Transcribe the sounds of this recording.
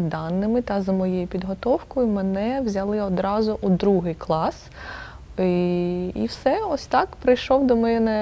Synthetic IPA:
d̪ɑnːɪmɪt̪ɐzɐmɔjejʊpʲid̪ɦɔt̪ɔwkʊimenɛwzʲɐlˠɪɔd̪ɾɑzʊʔud̪ɾuɦɪjklˠɑs | ḭwsɛɔsʲt̪ɑkpɾɪjʃɔwd̪ɔmɛjɛnɛ

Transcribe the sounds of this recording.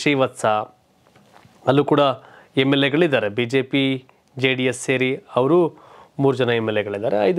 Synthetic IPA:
ʂijʋɐt̪sɐ | ɐlːuːkuːɽɐ | emːelːeɡɐɭid̪aːɾebiːd͡ʒe̞ːpi | d͡ʒeːɖijesːeːɾiɐʋɐɾu | muːɾud͡ʒɐnɐemːelːeɡɐɭid̪aːɾeɐjd̪

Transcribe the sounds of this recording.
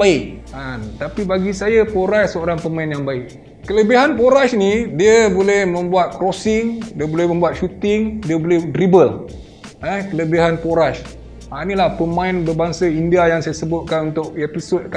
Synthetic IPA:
baɪk̚ant̪apibaɡisajapoɾaʃsəoɾaŋpəmaɪnjaŋbaɪk̚ | kələbiɦanpoɾaʃnidiabolɛhmə̃mbuat̪̚kɾosɪŋdiəbolɛhmə̃mbuat̪̚ʃut̪ɪŋdiəbolɛhdɾibəl | ɛhkələbiɦanpoɾaʃ | anilahpəmãɪnbərbaŋsaindiajaŋsajasəbʊt̪̚kanunt̪ʊk̚episʊt̪̚ka

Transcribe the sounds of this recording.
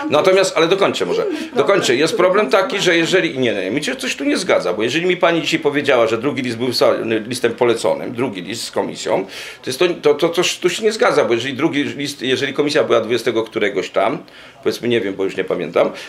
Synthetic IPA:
nat̪ɔmʲjast̪alɛd̪ɔkɔɲt͡ʃsɛmɔʐɛ̰d̪ɔkɔɲt͡ʃsajɛst̪̚pɾɔblɛmt̪akʲiʐɛjɛʐɛlʲiɲɛɲɛmʲiɕɛt̪sɔɕt̪uɲɛzɡad̪zabɔjɛʐɛlʲimʲipaɲid͡ʑiɕajpɔvʲjed͡ʑawaʐɛd̪ɾuɡʲilʲisd̪̚bɘwsa̰nɘlʲist̪ɛmpɔlɛt̪sɔ̰nɘ̰md̪ɾuɡʲilʲist̪skɔmʲḭsʲjɔ̰̃w̃t̪ɔjɛst̪ːɔt̪ɔt̪ɔt̪sɔɕt̪uɕɛɲɛzɡad̪zabɔjɛʐɛlʲid̪ɾuɡʲilʲist̪jɛʐɛlʲikɔmʲis̬ʲjabɘwad̪vud͡ʑɛst̪ɛɡɔkt̪uɾɛɡɔɕt̪a̰m | pɔvʲjɛt̪smɘɲɛvʲjɛmbɔjuʂɲɛpamʲɛ̰nt̪am

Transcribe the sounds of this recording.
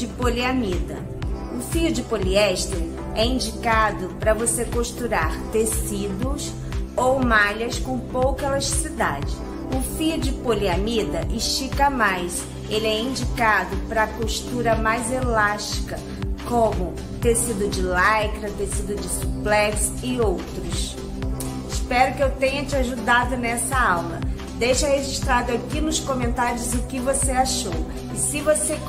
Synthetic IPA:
d͡ʒɪpoliamid̪ɐ̰ | ʊfiʊd͡ʒɪpoliɛʃt̪eɾ | ɛĩd͡ʒikad̪ʊpɾɐvosekoʃt̪uɾaɾt̪esid̪ʊs | owmaʎɐskõpowkɐelaʃt͡ʃi̥sid̪ad͡ʒɪ | ʊfiʊd͡ʒɪpoliamid̪ɐʔiʃt͡ʃikɐmajs | elɪɛĩd͡ʒikad̪ʊpɾɐpoʃt̪uɾɐmajzelaʃt͡ʃi̥kɐ | kõmʊ | t̪esid̪ʊd͡ʒɪlajkɾɐt̪esid̪ʊd͡ʒɪsuplɛksɪowt̪ɾʊs | ɪʃpɛɾʊkɪewt̪ẽɲɐt͡ʃɪaʒud̪ad̪ʊnɛsɐawlɐ̰ | d̪ejʃɐheʒiʃt̪ɾad̪ʊakinʊskõmẽnt̪aɾiʊzʊkɪvoseaʃow | ɪsɪvose

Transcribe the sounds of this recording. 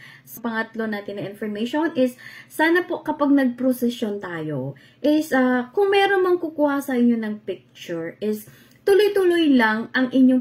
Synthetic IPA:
sɐpɐŋɐt̪lo̞naːt̪ɪnːɐŋʔɪnfoɹmejʃonʔɪsːaːnɐpo̞ʔkɐpaɡ̚nɐɡ̚pɾosɛsjont̪aːjo | ʔɪsɐkʊŋmɛːɾonmɐŋkʊkuːhɐsɐʔɪɲːo̞nɐŋpɪk̚t͡ʃʊɹʔɪs | t̪ʊlojt̪ʊlojlɐŋʔɐŋʔɪɲjo

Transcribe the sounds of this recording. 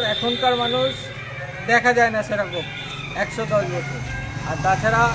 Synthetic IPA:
ɾɛkʰonkaɾmanuʃ | d̪ɛkʰad͡ʑaenaʃeɾaɡob | ɛkʃot̪ɔlbot̪ʰeaɾt̪at͡ɕʰaɾa

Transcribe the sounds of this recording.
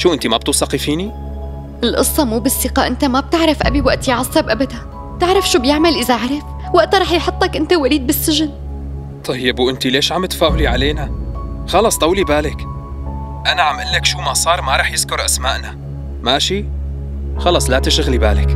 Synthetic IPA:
ʃuːʔɪnt̪imab̚t̪uːsˤɑqifiːni | ʔɪlʔɨsˤːɑmuːbɪsːɪqaʔɪnt̪amab̚t̪ɪʕɾˤɪfʔa̰biwaʔt̪jʕɑsˤːɑbʔabad̪a | b̚t̪ɪʕɾˤɑfʃuːbjɪʕmalʔɪzaʔaʕɾˤɪf | waʔt̪ɾˤɑːħjħʊt̪ˤːɑkʔɪnt̪awaliːd̪̚bɪsːɪʒɪn | t̪ˤɑjːɪbwʔɪnt̪ileːʃʕamːt̪ḁfaːhʊliʕaleːnaxɑlɑsˤd̪ˤɑwlibaːlɪk | ʔanaʕamʔɪlːakʃuːmasˤɑːɾˤmaɾˤɑːħjɪskʊɾʔasmaːʔna | maːʃi | xɑlɑsˤlat̪ɪʃʊɣlibaːlɪk

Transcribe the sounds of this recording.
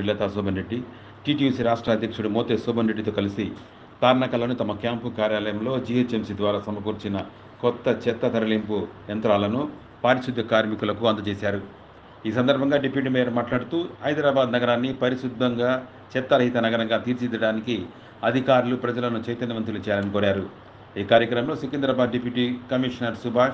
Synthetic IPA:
ilːɐːt̪aːsɔːbʱɐnɾe̞ɖːi | ʈiːʈijusiɾaːʂʈɾɐːɐd̪jɐkʂuɽumoːt̪eːsuːbʱɐnɾeɖːit̪o̞ːkɐlisi | t̪aːɾɳɐkɐlo̞ːnit̪ɐmɐkjaːmpukaːɾjaːlɐjɐmlo̞ːd͡ʒiːet͡ʃemsid̪ʋaːɾaːsɐmɐkuːɾt͡ʃinɐ | kɔt̪ːɐt͡ʃɛt̪ːɐt̪ʰɐɾɐlimpuɐnt̪ɾaːlɐnu | paːɾiʃud̪ʱːɐkaːɾmikulɐkuɐnt̪ɐt͡ʃeːsaːɾu | iːs̬ɐnd̪ɐɾbʱɐŋɡaːɖepjuːʈ̬imɛːɾɐmaːʈlaːɽut̪uːɦɐjd̪ɾaːbaːd̪nɐɡɐɾaːnːipɐɾiʃud̪ʱːɐŋɡaː | t͡ʃɛt̪ːɐlɐɦit̪ɐnɐɡɐɾɐŋɡaːt̪iːɾt͡ʃid͡ʒ̪ɐɽaːniki | ɐd̪ʱikaːɾulupɾɐd͡ʒɐlɐnut͡ʃɐjt̪ɐnjɐmʋɐnt̪ɾulut͡ʃɛːjaːlɐnikɔːɾaːɾu | iːkaːɾjɐkɾɐmɐmlo̞ːsukind̪ɾɐbaːd̪ɖepjuʈiːkɐmiʂɐnɐɾsubʱaː

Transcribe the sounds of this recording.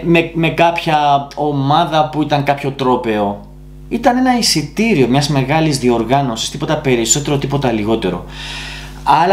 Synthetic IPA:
meme̞kɐpçɐo̞mɐðɐpuit̪ɐŋkɐpço̞t̪ɾo̞pe̞o̞ | it̪ɐne̞nɐisit̪iɾio̞mɲɐzme̞ɣɐlizðio̞ɾɣɐno̞si̥st̪ipo̞t̪ɐpe̞ɾiso̞t̪e̞ɾo̞t̪ipo̞t̪ɐliɣo̞t̪e̞ɾo̞̰ | ɐl

